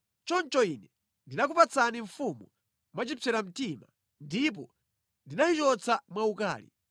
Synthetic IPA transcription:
t͡ʃɔnt͡ʃɔinɛ | ndinak̬upat͡sʰaniɱfumu | mwat͡ʃipʰɛɾam̩tima | ndip̬ɔ | ndinat͡ʃit͡ʃɔt͡samwauka̰ːlḭ

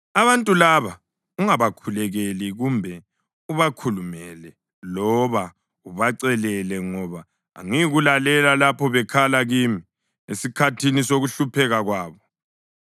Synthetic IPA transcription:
aβantʼulaβa | uŋaβakʰulɛɣeliɣumbʱɛ | uβakʰulumɛlɛ | lɔβa | uβaǀɛlɛlɛŋɔβa̰ː | ŋiɣulalɛlalapʰɔβɛkʰalaɣimi | esikʰatʰinisoɣuɬupʰɛɣaɣwaːβɔ

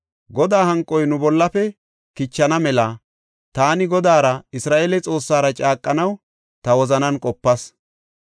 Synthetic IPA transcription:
ɡɔd̪aːɦɐŋkʼːɔjnʊbɔlːɐpɛ | kɪt͡ʃːɐnɐmɛla | t̪aːnɪɡɔd̪aːɾɐɪsɾaːʔeːlɛt͡sʼo̞ːsːaːɾɐt͡ʃʼaːkʼːɐnɐw | t̪ɐwɔzɐnɐnkʼɔpːɐs

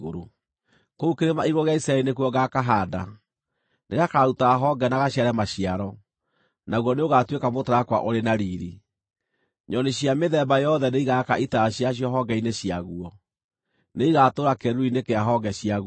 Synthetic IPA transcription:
ɣo̰ɾo̰ | koukeɾemaiɣɔɣeaisaɛɾinekuɔɣakaɦaːda | neɣakautaːɦɔɡɛnaɣaɕjaɾɛmaɕiaɾɔ | naɣwɔneoɣatwekamotaɾakwa̰ʔoɾenaɾiːɾi | ɲɔneɕiameðɛbajɔðɛneiɣakaʔitaːɕiaɕ̬jɔɦɔɡɛineɕiaɣuɔ | neiɣatoɾakɛɾuinekeaɦɔɡɛɕiaɣ

